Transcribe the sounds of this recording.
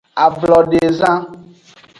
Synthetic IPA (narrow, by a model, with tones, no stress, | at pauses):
a˨blɔ˨ɖe˨zã˦